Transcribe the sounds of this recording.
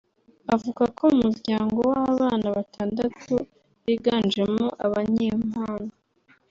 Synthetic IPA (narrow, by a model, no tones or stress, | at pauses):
avuɡakʰoumuɾɟaːŋɡowaβaːnaβatʰaːndatʰu | βiːɡaːnd͡ʒemoʔaβaɲeːm̥haːno